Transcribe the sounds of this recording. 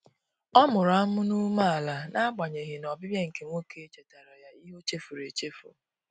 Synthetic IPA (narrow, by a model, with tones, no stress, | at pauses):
ɔ˦mʊ˨ɾa˦mʊ˦nu˦ma˦a˨la˨na˦a˦ɡ͡ba˨ɲe˨ɣɪ˨nɔ˨bɪ˦bje˦ŋ̩˨ke˨ŋʷo˦kʰe˦t͡ʃe˨ta˨ɾa˨ja˦i˦ɦo˦t͡ʃe˦fu˨ɾe˨t͡ʃe˦fṵ˨